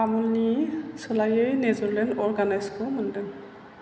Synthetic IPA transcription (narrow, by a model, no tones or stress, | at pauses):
amɔlnisɔlajejnɛzɔɹlɛnɔɹɡanajskɔmɔndɛn